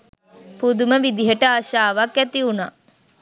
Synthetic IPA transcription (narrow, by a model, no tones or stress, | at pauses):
pud̪uməʋid̪iɦəʈəaʃaːʋakæt̪iuna